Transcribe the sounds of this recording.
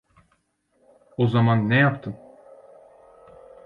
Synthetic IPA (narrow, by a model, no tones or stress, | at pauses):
ozamanːɛjapt̪ʰɯn